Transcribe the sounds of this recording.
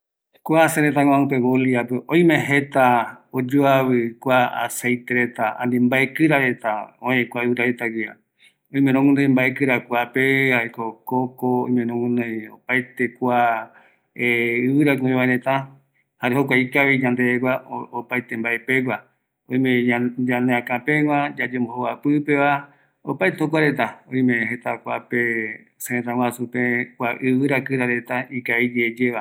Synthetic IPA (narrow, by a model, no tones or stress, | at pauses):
kʷaseɾet̪̬aŋ̃ãũpeβoliapeʔõj̃mẽɦet̪aod͡ʒoaβɨkʷaa̰sejt̪eɾet̪aã̰nd̪imbaekɨɾaɾet̪aõẽkʷaɨβɨɾaɾet̪aɡɨa̰ | õĩmẽnõŋũnd̪ẽmbaekɨɾakʷapehaekokokoõ̰ĩmẽnõŋũnd̪ejo̰paet̪ekʷa | eɨβɨɾakĩβaɾẽt̪a | haɾeɦokʷaikaʋid͡ʒãnd̪eɡʷaopajt̪embaʔepeɡʷa | õj̃mẽd͡ʒãneãkãpẽŋʷãd͡ʒad͡ʒembohoapɨpeʋa | opajt̪ehokʷaɾet̪aõj̃mẽhe̞t̪akʷape | sẽẽt̪ãwʷasupẽkʷaʔɨβɨɾakɨɾaɾe̞t̪aikaid͡ʒed͡ʒeʋa